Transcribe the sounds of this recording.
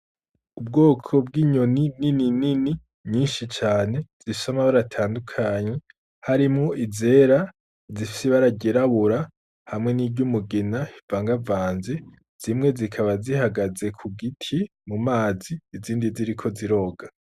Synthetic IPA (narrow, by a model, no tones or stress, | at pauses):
ub̚ɡoːkʰo̞b̚ɡiːɲo̞ninininini | ɲiːnʃit͡ʃaːne̞z̥ii̥samaβaɾatʰaːndukʰaːɲe̞ | haɾimŋo̞ʔize̞ːɾa | zifi̥seβaɾaɟeɾaβuɾa | hamŋe̞niːɟɟumuɡinaivaːŋɡavaːnze | z̥imŋe̞zikʰaβazihaɡaze̞kʰuɡitʰi | mumaːziːziːndiziɾikʰo̞ziɾo̞ːɡa